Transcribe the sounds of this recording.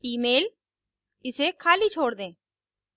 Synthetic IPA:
iːmeːl | ɪsekʰaːlit͡ʃʰoːɽd̪ẽː

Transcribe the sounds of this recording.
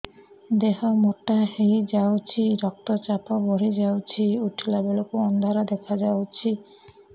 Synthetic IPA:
d̪eɦɔmoʈahejd͡ʒawt͡ʃʰiɾɔk̚t̪ɔt͡ʃapʰɔbʱɔɾid͡ʒawt͡ʃʰiuʈʰilabelokuɔnd̪ʱaɾɔd̪ekʰad͡ʒawt͡ʃʰi

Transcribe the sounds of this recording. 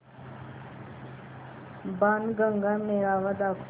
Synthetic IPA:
banɡəŋɡamneɾaːʋad̪akʰ

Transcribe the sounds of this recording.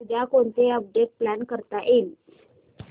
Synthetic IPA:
ud̪ʱakont̪eəp̚ɖeʈ̚plænkəɾt̪aʔel

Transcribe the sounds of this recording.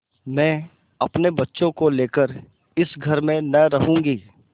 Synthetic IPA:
mɛ̃ː | ɐpnebɐtːʃõkoleːkəɾ | ɪsɡʱɐɾmẽnɐɾɐɦũːŋɡiː

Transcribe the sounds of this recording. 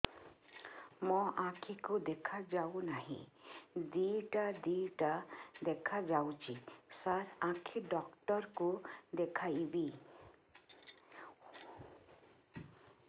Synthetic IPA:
mɔʔãkʰikud̪ekʰad͡ʒawnaɦḭ̃d̪iʈad̪iʈad̪ekʰad͡ʒawt͡ʃisaɾãkʰiɖɔkʈɔɾkud̪ekʰajbi

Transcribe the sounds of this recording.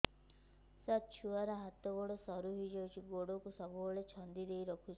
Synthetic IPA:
sat̪̚t͡ʃʰuaɾaɦat̪ɔɡɔɽosɔɾuɦojd͡ʒawt͡ʃʰiɡoɽokusɔbuɦoɭet͡ʃʰɔnd̪id̪ejɾɔkʰut͡ʃʰ

